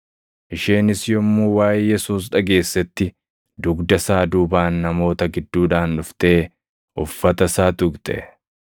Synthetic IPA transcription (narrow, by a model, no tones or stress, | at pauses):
ʔɪʃeːnɪsjɔmːuːwaːjjɛsuːsᶑɐɡe̞ːsːɛt̪ːɪ | d̪ʊɡd̪ɐsaːd̪uːbaːnːɐmo̞ːt̪ɐɡɪd̪ːuːᶑaːnːʊft̪e̞ː | ʔʊfːɐt̪ɐsaːt̪ʊɡt̪ʼɛ̰